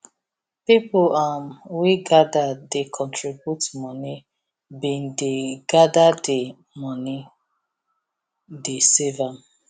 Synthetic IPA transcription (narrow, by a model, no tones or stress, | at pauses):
pipʊamwiɡadadekʰɔ̃ntʰɹibjutmɔni | bĩndeɡadade | mɔni | desevam